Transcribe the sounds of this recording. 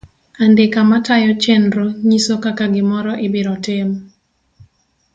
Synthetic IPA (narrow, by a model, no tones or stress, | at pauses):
andɪkamatajɔt͡ʃɛnɾoɲisokakaɡɪmɔɾɔʔɪbɪɾɔtɪm